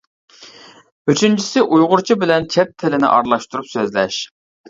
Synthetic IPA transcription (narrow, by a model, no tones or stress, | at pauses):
yt͡ʃʰynt͡ʃʰi̥sɪʔujʁʊɾt͡ʃʰibɪlɛnt͡ʃʰɛp̚t̪ʰːɪlɪnɪ̰ʔɑ̰ɾlˠɑʃt̪uɾupsøzlɛʃ